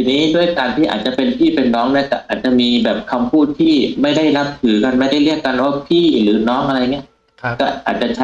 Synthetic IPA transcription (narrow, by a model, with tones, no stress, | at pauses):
iː˧nːiː˦˥du˥˩əjkaː˧nt̪ʰiː˥˩ʔa̰˨˩t̪̚t͡ɕa˨˩pe˧np̪ʰiː˥˩pe˧nːɔː˦˥ŋna˥˩ɐkɔː˥˩ʔaː˨˩t̪̚t͡ɕa˨˩miː˧bɛː˨˩p̚kʰa˧mpʰuː˥˩t̪ʰːiː˥˩ma˥˩jda˥˩jna˦˥p̚t̪ʰɯː˩˦ka˧nma˥˩jda˥˩jɾi˥˩əkːa˧nlwaː˥˩pʰiː˥˩ɾɯː˩˦nɔː˦˥ŋʔa˧ɾa˧ja˨˩ŋːni˦˥ɐ˥ | kɔː˥˩ʔa̰ː˨˩t̪̚t͡ɕa˨˩t͡ɕʰa˦